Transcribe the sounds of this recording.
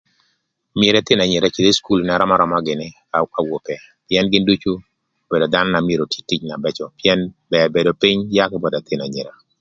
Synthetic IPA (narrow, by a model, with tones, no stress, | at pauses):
mje˨ɾɛ˨˦t̪ɪ˦na˨ɲɪ˨ɾa˦t͡ʃi˨d̪e˦sku˦lnɛ˦ɾɔ˦ma˦ɾɔ˨ma˦ɡɪ˨nɪ˦ka˨˦ka˨wo˨pɛ˨ | pjɛ˦nɡɪ˦ndu˦t͡ʃu˦ | b̥e˨do˨d̪a˦nɔ˦na˨mje˨ɾo˨ti̥˦tːi˦t͡ʃna˨bɛ˦t͡ʃɔ˨piɛ˦nbɛ˨be˨do˨pi˦ɲja˦kɪ˦bɔ˨da˨t̪ɪ˦na˨ɲe˨ɾa˨